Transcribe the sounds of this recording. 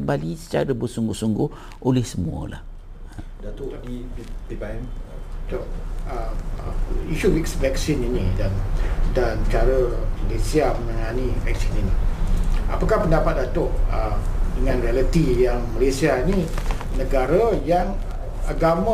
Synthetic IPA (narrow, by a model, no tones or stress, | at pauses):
əmbalisə̥t͡ʃa̰ɾəbərsuŋɡʊhsuŋɡʊh | ʔolɛhsəmuə̰la̰h | dat̪ | t̪oə | iʃuɾiksvɛk̚sininĩdandant͡ʃaɾəməlesiaməmə̃ŋanivɛ̰k̚sinini | a̰pakahpəndapat̪̚dat̪ʊʔədəŋãnɾialət̪ijaŋməlesiaini | nəɡaɾəjaŋ | aɡama